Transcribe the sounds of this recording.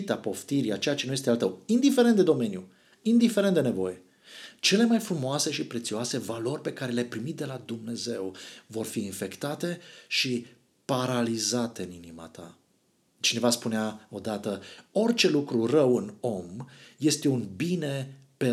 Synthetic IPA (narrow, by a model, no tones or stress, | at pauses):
t̪apo̞ft̪iɾiat͡ʃe̞jat͡ʃenuje̞st̪alt̪əwind̪ife̞ɾent̪d̪e̞d̪o̞me̞nju | ind̪ife̞ɾent̪d̪ene̞vo̞̰je̞ | t͡ʃe̞le̞majfɾumoase̞ʃipɾe̞t̪sioase̞valo̞rʲpe̞kaɾelepɾimit̪̚d̪e̞lad̪umne̞ze̞wvo̞rfiːnfe̞kt̪at̪e̞ʃi | paɾalizat̪e̞ɨninima̰t̪a̰ | t͡ʃine̞vaspuneao̞d̪at̪əo̞rt͡ʃe̞lukɾurəwɨno̞mje̞st̪e̞unbine̞ | pe